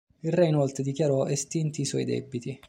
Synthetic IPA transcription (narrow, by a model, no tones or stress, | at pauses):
ilrɛinɔlt̪ɾed̪ikʲjaɾɔest̪int̪iswɔ̰jd̪ɛ̰bːit̪i